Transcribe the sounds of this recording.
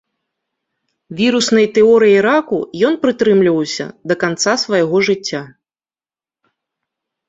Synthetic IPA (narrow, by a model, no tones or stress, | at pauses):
vʲiɾusnɐjt̪ɛɔɾɨjiɾakujɔnpɾɨt̪ɾɨmlʲivɐwsʲɐ̰d̪ɐkant̪sasvɐjaɣɔʐɨt͡sʲːa